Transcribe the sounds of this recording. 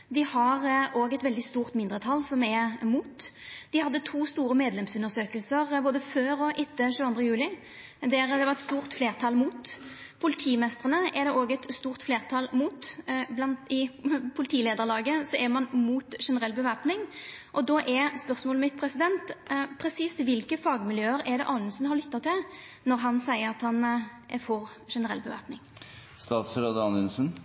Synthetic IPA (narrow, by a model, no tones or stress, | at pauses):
d̪ɪhɑɾʔoːɡɛt̪ʋɛld̪ɪst̪uːʁt̪mɪnd̪ɾət̪ʰɑlsɔmɛmuːt̪d̪̥ɪhɑd̪ːət̪ʰuːst̪uːɾəmeːd̪lɛmsʉnːəʁsøːkəlsəʁboːd̪əføːɾɔʔɪt̪ːəʃʉːɑnd̪ʁəjʉːlɪ | d̪ɛɾd̪ɛʋɑʁɛt̪st̪uːʁt̪fleːʁt̪ʰɑlmuːt̪ | pʰʊlɪt̪ʰiːmɛst̪əʁənəʔɛd̪ɛʔoːɡɛt̪st̪uːʁt̪fleːʁt̪ʰɑlmuːt̪blɑnt̪ɪpʰʊlɪt̪ʰiːleːd̪əʁlɑːɡəsɔʔɛmɑnmuːt̪ʃɛnəʁɛlːbəʋæːpnɪŋʔɔd̪oːʔɛspœʁsmoːləmɪt̪̚pʰɾɛsɪd̪ɛnt̪pʰɾɛsiːst̪ʋɪlkəfɑːɡmɪljøːəɾɛd̪ɛ̰ʔɑːnənsnhɑɾlʏt̪ːɑt̪ʰɪl | nɔʁɦɑnsæɪəɾʁɑt̪hɑnʔæɾfɔʁ | ʂɛnəʁɛ̰lbəʋæ̰ːpnɪŋ | st̪ɑːt̪sɾod̪ɑnənsən